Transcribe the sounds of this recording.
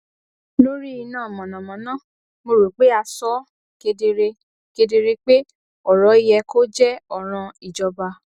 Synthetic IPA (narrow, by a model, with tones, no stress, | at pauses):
lo˦ɾi˦i˧nãː˦˨mɔ̃˨nɔ̃˨mɔ̃˨˦nã˦˨ | mo˧ɾu˨k͡pe˦a˧sɔ˦ | ke˧de˧ɾe˧ | ke˧de˧ɾe˧k͡pe˦ | ɔ˨ɾɔ˨˦i˦jɛ˧ko˦d͡ʒɛ˦ɔ˨ɾ̃ɔ̃˧i˨d͡ʒɔ˧ba˧